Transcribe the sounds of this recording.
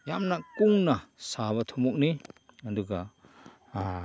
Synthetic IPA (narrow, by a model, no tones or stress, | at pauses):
jamnakuŋnasaβat̪ʰumɔk̚ni | aduɡa